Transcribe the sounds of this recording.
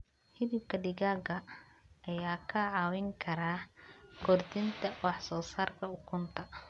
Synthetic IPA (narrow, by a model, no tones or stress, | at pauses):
hɪðɪb̚kʰɐɖɪɣaːɣɐː | jaːkʰɐʕɑːwɪŋkʰɐɾaːkʰɔrd̪ɪnt̪ʰɐwɑħsɔːsaːrkʰɐʊkʰʊnt̪ʰɐ